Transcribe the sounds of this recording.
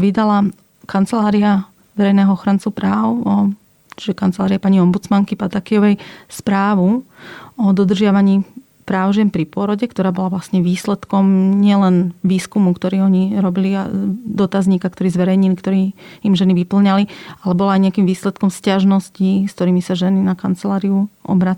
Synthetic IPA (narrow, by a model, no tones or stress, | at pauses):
ʋid̪ala | kʰant͡sɛlaːɾia | ʋɛɾɛjnɛːɦɔɔxɾant͡supɾaːʊɔ | t͡ʃiʒɛkant͡sɛlaːɾiapaɲiɔmbut͡smaŋkipat̪akiɔʋɛjspɾaːʋu | ɔd̪ɔd̪rʒɪaʋaɲiː | pɾaːʊʒɪɛnpɾipʊɔɾɔɟɛkt̪ɔɾaːbɔlaʋlasɲɛʋiːslɛt̪kɔmɲɪɛlɛnʋiːskumukt̪ɔɾiːɔɲiɾɔbiliad̪ɔt̪azɲiːkakt̪ɔɾiːzʋɛɾɛjɲilikt̪ɔɾiːimʒɛniʋipl̩ɲalialɛbɔlaːjɲɪakiːmʋiːslɛt̪kɔmscaʒnɔscisk̚t̪ɔɾiːmisaʒɛninakant͡sɛlaːɾiuʔɔ̰bɾat͡s